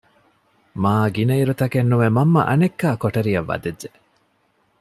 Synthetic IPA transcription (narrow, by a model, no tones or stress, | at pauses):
maːɡinɐiɾut̪ɐkenːuʋemɐmːɐ̰ʔɐnekːaːkoʈɐɾijɐʋːɐ̰d̪ed͡ʒːe